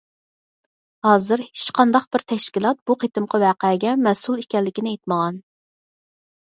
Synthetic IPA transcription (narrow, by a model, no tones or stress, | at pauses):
hɑːzɨɾhe̥t͡ʃqʰɑnd̪ɑqb̥ɪɾt̪ʰɛʃkʲilˠɑt̪̚b̥uqʰet̪ɨmqɑwæːqæɡʲɛmɛsulˠikʲɛlːɪkʲinɪejt̪məʁɑn